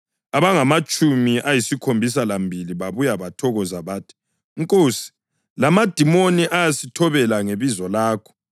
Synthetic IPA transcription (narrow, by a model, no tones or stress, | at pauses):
aβaŋamat͡ʃʼumiʔajisikʰombʱis̬alambʱiliβaβujaβatʰɔɣɔzaβaːtʰi̥ | ŋkʼoːsi̥ | lamad̥ʱimoniʔajasitʰɔβɛlaŋeβizɔlaːkʰɔ̥